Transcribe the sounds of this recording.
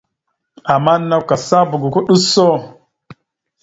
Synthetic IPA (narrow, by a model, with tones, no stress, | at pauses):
a˨ma˦nːa˦ka˨sa˦bu˨ɡu˨ku˦ɗu˦so˦˨